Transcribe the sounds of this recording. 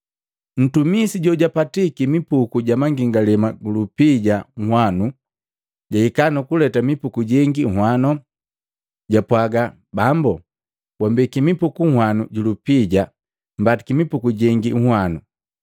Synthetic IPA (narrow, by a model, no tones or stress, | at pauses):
n̩tumisiɟɔɟapatikimipukuɟamaŋɡiŋɡalɛmaɡulupiɟaŋ̩hwanu | ɟaikanukulɛtamipukuɟɛŋɡiŋ̩hwanɔ | ɟapwaɡa | bambu | wambikimipukuŋ̩hwanuɟulupiɟa | m̩batikimipukuɟɛŋɡiŋ̩hwanu